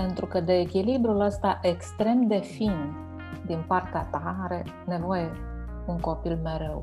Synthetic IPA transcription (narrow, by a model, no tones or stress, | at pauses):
pe̞nt̪ɾukəd̪eːkʲilibɾuləst̪aʔe̞kst̪ɾe̞md̪e̞fin | d̪inpart̪eat̪aɾe̞ | ne̞voje̞ | uŋko̞pilmeɾew